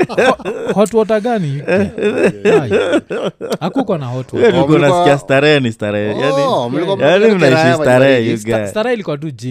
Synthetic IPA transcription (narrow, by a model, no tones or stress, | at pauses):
hɔtuɔt̬aɡaniɛ | akukwanahɔtuɡatulikuanasi̥kias̬taɾɛnistaɾɛjanijanim̩naiʃistaɾɛɛjuɡastaɾɛilikuwat̬ud͡ʒi